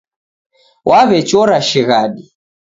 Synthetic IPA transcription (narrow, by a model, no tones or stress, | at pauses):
wʔaβɛt͡ʃɔɾaʃiɣaɗi